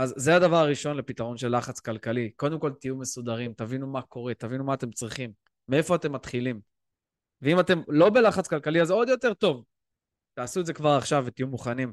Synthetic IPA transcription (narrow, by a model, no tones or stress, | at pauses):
azːead̪avaʁaʁiʃo̞nlepit̪aʁo̞nʃe̞lːaχat͡skalkaliko̞d̪e̞mko̞lt̪ijume̞sud̪aʁimt̪avinumako̞ʁe̞t̪avinumaːt̪e̞mt͡sʁiχimː | ee̞fo̞at̪e̞mːat̪χilim | veimate̞mlo̞be̞laχat͡skalkaliazo̞d̪jo̞t̪e̞ʁt̪o̞v | t̪aːsuetdzekvaʁaχʃavːet̪ijumuχanim